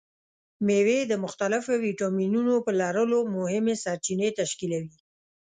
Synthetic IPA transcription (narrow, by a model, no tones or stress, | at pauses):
mewed̪əmʊxt̪alɪfowiʈaminunopəlɑɾəlomʊhɪmesaɾt͡ʃinet̪aʃkilawi